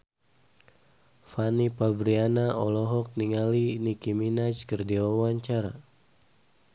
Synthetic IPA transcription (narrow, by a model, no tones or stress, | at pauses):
fanipabɾianaʔɔlɔɦɔk̚niŋalinikiminat͡ʃkərdiwawaɲt͡ʃaɾa̰